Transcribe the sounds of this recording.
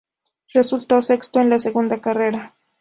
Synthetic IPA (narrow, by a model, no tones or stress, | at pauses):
result̪aosekst̪oenlaseɣund̪akareɾa